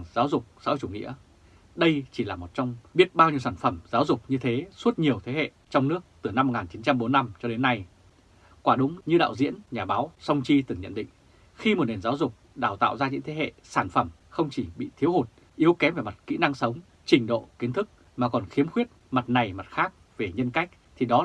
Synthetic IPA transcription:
ŋzaː˨˦wzʊ˨˩k͡p̚sɔ̰˧˥t͡ɕu˧˩ŋḭ˧˥ə | ɗə˧jt͡ɕi˧˩laː˨˩mo˨˩t̚t͡ɕɔ˧wŋ͡mɓi˦˥ət̚ɓaː˧wɲi˧əwsaː˧˩nfə˧˩mzaː˨˦wzʊ˨˩k͡p̚ɲɨ˧t̪ʰe˨˦swu˦˥t̚ɲi˨˩əwt̪ʰe˨˦hḛ˧˨t͡ɕɔ˧wŋ͡mnɨ˦˥ək̚t̪ɨ˨˧˩na˧mːo˨˩k̚ŋaː˨˩nt͡ɕi˨˦nt͡ɕa˧mɓo˨˦nːa˧mt͡ɕɔ˧ɗe˨˦nːa˧j | kwaː˧˩ɗʊ˨˦ŋ͡mɲɨ˧ɗa̰ː˧˨wzḭ˧˥ənɲaː˨˩ɓaː˨˦wsə˧wŋ͡mt͡ɕi˧t̪ɨ˨˩ŋɲə̰˧˨nɗḭ˧˨ŋ̟ | xi˧mo˨˩t̚ne˨˩nzaː˨˦wzʊ˨˩k͡p̚ɗaː˧˩wt̪a̰ː˧˨wzaː˧ɲɨ̰˧˥t̪ʰe˨˦hḛ˧˨saː˧˩nfə˧˩m | xə˧wŋ͡mt͡ɕi˧˩ɓḭ˧˨t̪ʰi˨˦əwho˨˩t̚ | ʔi˨˦əwkɛ˨˦mve˨˩ma˨˩t̚kḭ˧˥na˧ŋsə˨˦wŋ͡m | t͡ɕï˨˩ŋ̟ɗo̰˧˨ki˨˦nt̪ʰɨ˦˥k̚ | maː˨˩kɔ˨˩nxi˨˦əmxwi˦˥ət̚ma˨˩t̚na˨˩jma˨˩t̚xaː˦˥k̚ | ve˨˩ɲə˧nka˦˥jk̟̚t̪ʰi˨˩ɗɔ˨˦

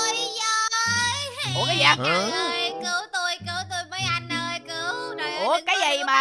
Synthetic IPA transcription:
jzə˨˧˩jo˨˧˦kaː˨˦jaː˧˨˩jkɨ˨˧˦wt̪o˧jkɨ˧˦wt̪o˧jməː˨˦jʔa˧jn̟ʔəː˧jkɨ˧˩˦wo˨˩ʔo˨˧˩kaː˨˦jzə˨˩˨maː˨˩

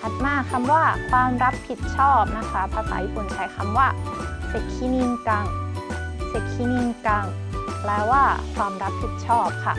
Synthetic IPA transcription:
kʰa˨˩t̪̚maː˧˥˩kʰa˧mwaː˥˩kʰwaː˧mɾa˦˥pʰːi˨˩t̪̚t͡ɕʰɔː˥˩p̚na˦˥kʰa˦˥pʰaː˧˥sa̰ː˨˦jiː˧˥˩pu˨˩nt͡ɕʰa˨˦jkʰa˧˩mwaː˥˩se˨˩t̚kʰi˦˥ni˧ŋka˧˩ŋ | se˨˩k̪̚kʰi˦˥ni˧ŋka˧ŋ | lɛː˦˥wːaː˥˩kʰwaː˧mɾa˦˥pʰi˨˩t̪̚t͡ɕʰɔː˥˩p̚kʰa̰˥˩

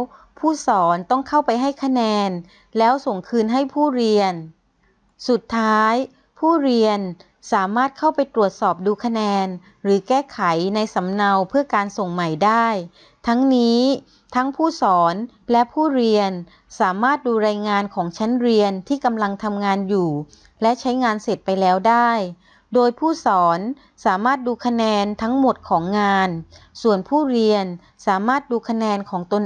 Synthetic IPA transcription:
w | pʰuː˥˩sɔː˩˦nt̪ɔ˥˩ŋkʰa˥˩wpa˧jɦa˥˩jkʰa˧nɛː˧n | lɛː˦˥wso˨˩ŋkʰɯː˧nɦa˥˩jpʰuː˥˩ɾi˧ən | su˨˩t̪ʰːaː˦˥j | pʰuː˥˩ɾi˧ən | saː˩˦maː˥˩t̪̚kʰa˥˩wpa˧jt̪ɾu˨˩ət̪̚sɔː˨˩p̚duː˧kʰa˧nɛː˧n | ɾɯː˩˦kɛː˥˩kʰa˩˦jna˧jsa˩˦mna˧wpʰɯ˥˩ɐkaː˧nso˨˩ŋma˨˩jdaː˥˩j | t̪ʰa˦˥ŋniː˦˥ | t̪ʰa˦˥ŋpʰuː˥˩sɔː˩˦n | lɛ˦˥ʔpʰuː˥˩ɾi˧ən | saː˩˦maː˥˩t̪̚duː˧ɾaː˧jŋaː˧nkʰɔː˩˦ŋt͡ɕʰa˦˥nɾi˧ənt̪ʰiː˥˩ka˧mla˧ŋt̪ʰa˧mŋaː˧njuː˨˩ | lɛ˦˥ʔt͡ɕʰa˦˥jŋaː˧nse˨˩t̪̚pa˧jlɛː˦˥wdaː˥˩j | doː˧jpʰuː˥˩sɔː˩˦n | saː˩˦maː˥˩t̪̚duː˧kʰa˧nɛː˧nt̪ʰa˦˥ŋmo˨˩t̪̚kʰɔː˩˦ŋːaː˧nsu˨˩ənpʰuː˥˩ɾi˧ən | saː˩˦maː˥˩t̪̚duː˧kʰa˧nɛː˧nkʰɔː˩˦ŋt̪o˧n

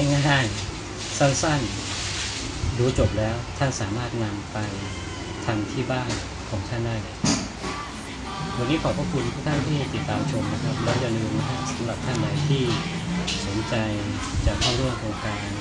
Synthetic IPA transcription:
a˥˩ŋaː˥˩a˥˩j | sa˥˩nsa˥˩n | duː˧t͡ɕo˨˩p̬̚lɛː˦˥wt̪ʰa˥˩nsaː˩˦maː˥˩t̪̚na˧mpa˧j | t̪ʰa˧mt̪ʰiː˥˩baː˥˩ŋ | kʰɔː˩˦ŋt̪ʰa˥˩ndaː˥˩jna˨˥˩kʰa˦˥ | wa˧nːiː˦˥kʰɔː˨˩˦pʰɔː˥˩kʰu˧npʰu˥˩kt̪ʰa˥˩nmʰa˥˩a˧˩t̪i˨˩t̪ːaː˧mt͡ɕʰo˧mna˦˧kʰa˦˥p̚lɛː˦˥wja˧lɯː˧n˧˩kʰa˦˥p̚sa˨˩˦mɾa˨˩p̚t̪ʰa˥˩nla˨˩˦jt̪ʰiː˥˩ | so˩˦nt͡ɕa˧j | t͡ɕaː˨˩kʰːaː˥˩wɾu˥˩əmkʰoː˧ŋkaː˧n

